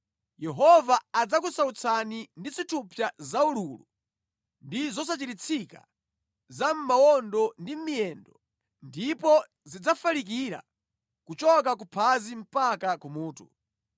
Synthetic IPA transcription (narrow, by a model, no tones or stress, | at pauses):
jɛɦɔvaːd͡zakusaut͡sʰanindit͡sitʰupʰjazaululṵ | ndizɔs̬at͡ʃitit͡sʰika̰ | zam̩mawɔndɔndimiɛndɔ | ndipɔ | zid͡zafalik̬iɾa̰ | kut͡ʃɔk̬ak̬upʰazim̩pakakumuːtṵ